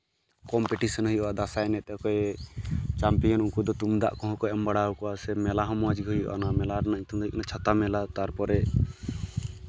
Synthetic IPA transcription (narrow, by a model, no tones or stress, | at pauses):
kɔmpɛʈisɔnɦujʔɔwad̪asaɛnɛt̪̚ˀɔkɔj | t͡ʃampijɔnuŋkud̪ɔt̪umd̪a̰ʔkɔ̃ɦɔ̃kɔɛmbaɽaukɔwasɛmɛlaɦɔ̃mɔad͡ʒiɡɦujɔ̰ʔa̰namɛlaɾnac̚t̪umd̪iknat͡ʃʰat̪amɛlat̪aɾpɔɾɛ